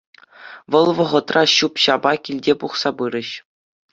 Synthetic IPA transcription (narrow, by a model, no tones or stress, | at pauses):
ʋɤ̆lˠʋɤ̆ʁɤ̆t̪rɑɕupɕɑbɑkʲilʲdʲepuχsɑpɯɾʲɘ̆ɕ